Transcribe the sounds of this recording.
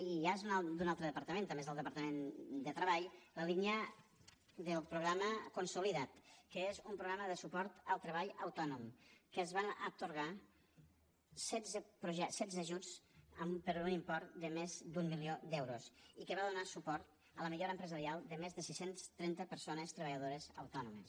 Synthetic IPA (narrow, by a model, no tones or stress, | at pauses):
iazunad̪unalˠt̪ɾəðəpəɾt̪əment̪əmbezðəlˠəpəɾt̪əmend̪ət̪ɾəβaʎləlinjə | d̪əlˠpɾuɣɾaməkunsuliðat̪kəezumpɾuɣɾaməðəsupɔɾt̪əlˠt̪ɾəβaʎəwt̪ɔnumkəzβanə̰t̪uɾɣa | sɛzəpɾuʒɛsɛzəʒud͡zəmpəɾunimpɔɾt̪d̪əmezd̪umːiliod̪ɛwɾusikəβaðunasupɔɾt̪ | ələmiʎoɾəmpɾəzəɾialˠd̪əmezðəsisenst̪ɾɛnt̪əpəɾsonəst̪ɾəβəʎəðoɾəzə̰wt̪ɔnuməs